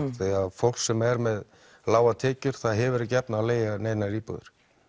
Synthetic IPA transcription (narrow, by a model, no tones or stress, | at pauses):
θɛaðfowl̥sɛmɛɾmɛð | laːwat̪ʰɛːcʏɾ̥θaðɦɛvʏɾɪcɛpnaːleːjɣaneːjnaɾiːpʏ̰ɣðʏ̰ɾ̥